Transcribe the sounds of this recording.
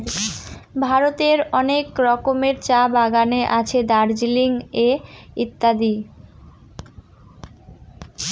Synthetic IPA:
bʱaɾot̪eɾɔnekɾɔkomeɾt͡ɕabaɡaneʔat͡ɕʰed̪aɾd͡ʑiliŋeit̪ːad̪i

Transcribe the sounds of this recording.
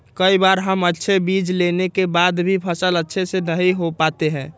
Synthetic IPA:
kəibaɾɦəmətːʃʰebid͡ʒlenekebad̪bʱipʰəsələtːʃʰesenəɦiɦopat̪eɦɛ̃ː

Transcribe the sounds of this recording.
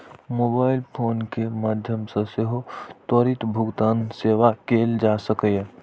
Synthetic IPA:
moːbaːɪlpʰoːnkemaːd̪ʱjəmsẽseɦot̪əɾit̪bʱʊɡt̪aːnseːʋakeːld͡ʒaːsəkəj

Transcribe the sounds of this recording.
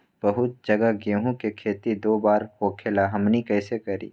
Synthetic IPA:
b̥ɐɦʊt̪̚d͡ʒɐɡaɡeɦũkekʰeːt̪id̪oːbaːɾhoːkʰelaɦɐmnikɛːsekɐɾḭː

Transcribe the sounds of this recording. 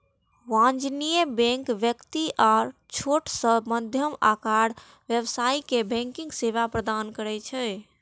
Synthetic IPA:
wãnd͡ʒnijəbɛ̃ŋkʋjəkt̪iʔaɾt͡ʃʰoʈsəməd̪ʱjəmakaɽ | ʋjəbsaikebɛ̃ŋkĩŋɡseβapɾəd̪ankəɾɛt͡ʃʰɛ

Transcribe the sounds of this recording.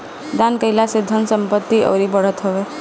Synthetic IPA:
d̪ankəilasɪd̪ʱːənsəmpət̪ːiʔə̰ʋɾibəɽ̤ət̪ɦɔʋe

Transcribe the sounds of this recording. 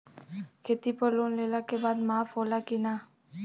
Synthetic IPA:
kʰeːt̪ipəloːnleːlakebaːd̪maːfɦoːlakinaː

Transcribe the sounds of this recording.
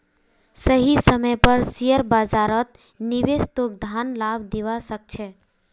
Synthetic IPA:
səɦisəməjpəɾsijəɾbad͡ʒaɾət̪̚ | nibest̪ok̚d̪ʱanlabd̪eʋasək̚t͡ʃʰɛ

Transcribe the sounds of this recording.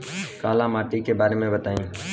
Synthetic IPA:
kaːlãːmaːʈiːkeːbaːɾeːmẽːbət̪aːĩː

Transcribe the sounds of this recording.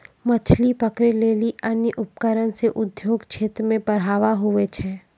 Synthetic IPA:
mɐt͡ʃʰlipəkɾeleːliənjəʔʊp̚kəɾənseʔʊd̪joːɡt͡ʃʰeːt̪ɾmẽbəɽɦaːʋaɦʊʋet͡ʃʰɛː

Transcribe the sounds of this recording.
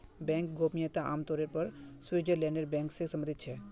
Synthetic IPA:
bɛ̃ŋk̚ɡopijet̪aa̰ːmt̪ɔɾeɾpəɾswiɾd͡ʒəɾleneɾbɛ̃ŋksesəmbənd̪ʱit̪t͡ʃʰɛ

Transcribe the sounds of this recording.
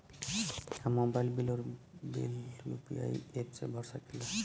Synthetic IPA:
amobajlbiloɾbḭljṵpḭa̰jet͡ʃḛbʱɔɾʃakilo

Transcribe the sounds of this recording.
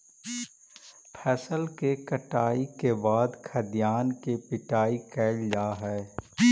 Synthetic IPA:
pʰɛːsəlkekɐʈaːikebaːd̪kʰɐd̪jaːnkepɪʈaːikɛːld͡ʒaːɦɛː

